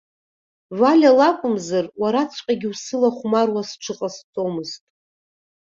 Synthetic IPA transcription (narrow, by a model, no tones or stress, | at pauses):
vʷalʲalakʷʼʊmzarwaɾat͡sʷʰqʲʼaɡʲɪwsɨlaχʷmarwasʈ͡ʂʰɨqʼast͡sʼo̞mɨztʼ